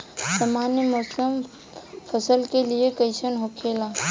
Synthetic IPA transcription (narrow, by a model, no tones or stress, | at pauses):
sɐmaːnjəmɔsəm | pʰəsəlkeliekəɪʃənɦoːkʰeːlaː